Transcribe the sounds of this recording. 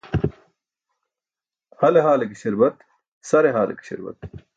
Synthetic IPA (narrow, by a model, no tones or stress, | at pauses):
hɐleɦaːlekiɕiɾbɐt̪ | sɐɾeɦaːlḛki̥ɕɪ̰ɾbɐ̰t̪̚